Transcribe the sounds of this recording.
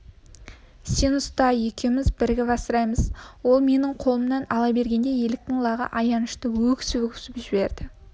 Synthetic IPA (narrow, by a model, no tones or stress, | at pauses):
senʊst̪ɑe̞kʲe̞wmɪzbɪɾɡʲɪbɑsəɾɑjməzwo̞lˠme̞nɪɴqʰo̞lˠəmnɑnɑlˠɑbe̞ɾɡʲe̞nd̪e̞je̞ld̪ɪk̚t̪ɪŋlˠɑʁə̰ʔɑjɑnəʃt̪əwɵkʲsɪwɵkʲʏ̥sɪpʒɪbe̞ɾd̪ɪ